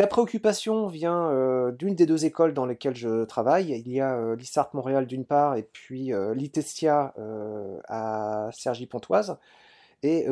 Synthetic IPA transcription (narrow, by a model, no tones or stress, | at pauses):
lapχeɔkʲypasjɔ̃vjɛ̃ød̪ynd̪ed̪øzekɔld̪ɑ̃lakʲɛlʒət̪χavajiljaølisaʁt̪mɔ̃ʁeald̪ynpaʁepɥiølit̪esjaøasɛʁʒipɔ̃t̪waz | e